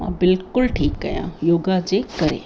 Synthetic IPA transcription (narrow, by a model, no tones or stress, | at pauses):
mã̰ːbɪlkʊlʈʰiːkːɐjã̰joːɡad͡ʑeːkɐɾḛː